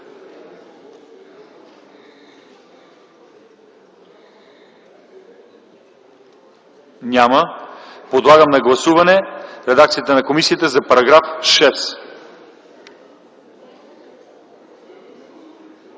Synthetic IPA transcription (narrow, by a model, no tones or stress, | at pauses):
nʲaməpod̪lˠaɡəmnɐɡlˠɐsuvɐnɛɾɛd̪ak̚t̪sijət̪ənɐkomisiət̪əzɐpɐɾɐɡɾafʃɛs